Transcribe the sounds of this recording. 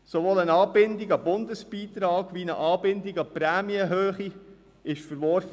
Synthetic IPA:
soʋoːlənɑːbɪndiɡɑbʊndəsb̥iːt̪ɾɑːɡ̥ʋinə̰ʔɑːbɪndiɡɑpɾæːmiəɦøːχi | ɪʃfəɾʋɔɾfə

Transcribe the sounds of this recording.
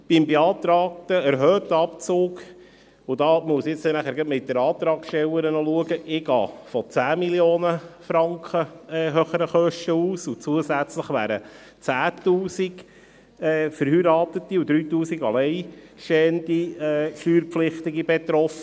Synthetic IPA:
b̥ɪmbeɑːt̪ɾɑːk̚təæɾɦœːt̪ːəɑpt͡soːɡ | ʊd̥ɑːmuəsjɪt͡snæχæːɾɡətmɪt̚dəɾɑːt̪ɾɑːksʃtɛwəɾənɔluəɡəʔɪɡ̥ɑ̰ːfɔt͡sæːmiljoːnəfɾɑŋkχəɛɦœχəɾəχœʃtəuːsʊt͡suəsæt͡sləχʋæ̰ːɾə | t͡sæːtuːsiɡ | ɛːfəɾhyːɾɑːt̪ət̪iʊd̥̪ɾyːtuːsiɡɑ̰lɛɪʃɛːndiɛːʃyːɾpflɪχt̪ɪɡibɛt̪ɾɔfə

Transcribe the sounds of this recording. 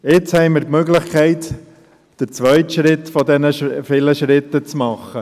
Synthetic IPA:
ɪt͡shɛɪmɪɾkmøɡlɪχkʰɛɪt | d̥əɾt͡sʋœʏtʃɾɪt̪fɔd̪ɛnəʃfɪləʃɾɪt̪ːət͡smɑχːə

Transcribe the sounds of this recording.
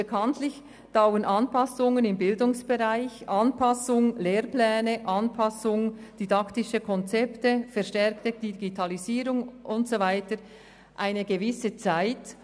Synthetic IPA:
b̥əkʰɑntlɪç | d̥aʊənʔɑnpʰɑsʊŋənɪmbɪldʊŋsb̥eʁaɪçʔɑnpʰɑsʊŋleːɾplɛːnəʔɑnpʰɑsʊŋd̥idɑktɪʃəkʰɔnt͡sɛptəfɛʁʃtɛʁktəd̥iɡitʰɑliziːɾʊŋʔʊntsovaɪtə | ʔaɪnəɡəvɪsət͡saɪt

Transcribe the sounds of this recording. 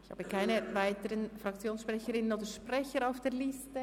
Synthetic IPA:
ɪçha̰ːbəkʰaɪnəvaɪtəɾənfrɑk̚t͡sjoːnsʃprɛçəɾɪnənoːdəɹʃprɛçəɾaʊfd̥eːlɪstə

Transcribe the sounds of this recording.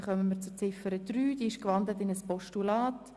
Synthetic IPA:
χœməmət͡sʊt͡sɪfəɾəd̥ryːd̥iːɪʃkʋɑndlətɪnəspɔʃtulɑːt

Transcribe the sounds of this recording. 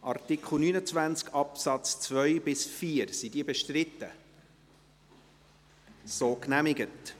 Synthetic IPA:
ʔɑ̰rtɪkʰχl̩ˠnynət͡svænt͡skʰɑpsɑt͡st͡svœjbɪsfiːəɾsid̥iəbɛʃtrɪtːə | soːknæmɪɡət

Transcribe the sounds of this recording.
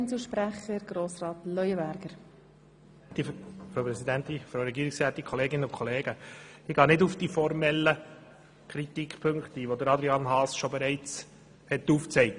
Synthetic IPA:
nsuʃpɾæχəɾɡ̥ɾoːsrɑːt̪lœʏəbæɾɡ̥əɾ | t̪ifɾoʊpɾɛsidænt̪ifɾoʊɾɛɡiːɾɪksɛt̪ikʰɔleːɡɪnəʊnkʰɔleːɡ̥əɪɡ̥ɑːnɪdufd̥ifɔɾmɛlːə | kʰɾitikʰpʰøŋkt̪iʋod̪əɾɑd̪ɾiɑnɦɑːsʃobɛɾɛɪt͡s | hɛt̪ːuːft͡sɛɪ

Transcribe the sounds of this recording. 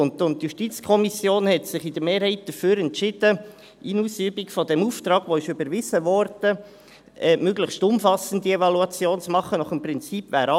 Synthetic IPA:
ʊntʊnt̚ːjuʃtit͡skʰɔmisjoːnhɛtsɪχɪd̥əɾmeːɾhɛɪt̚d̥əɾfyːɾɛntt͡ʃɪd̥ə | ʔinuːsyːbikfɔdɛmuːft̪ɾɑːɡʋoɪʃybəɾʋɪsəʋɔɾd̥ə | ɛmøɡləχstʊmfɑsən̩diɛvɑluɑt͡sjoːnt͡smɑχənɔχəmprɪnt͡siːpvæ̰ːɾɑ

